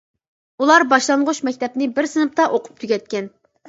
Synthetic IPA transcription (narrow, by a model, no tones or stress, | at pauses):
ulˠɑɾbɑʃlˠɑŋʁʊʃmɛkʲt̪ʰɛpnɪbɪɾsɨnɨpt̪ɑʔoqʰʊ̥p̚t̪ʰyɡʲɛt̪̚kʲɛn